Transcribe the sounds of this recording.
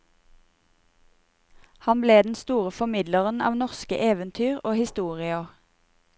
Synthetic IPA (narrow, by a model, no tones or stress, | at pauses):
hɑnbleːd̪n̩st̪uːʁəfɔmɪd̪ləʁənɑ̰ːʋnɔʁskə̰ʔeːʋənt̪ʰyːʁoːhɪst̪uːʁɪəʁ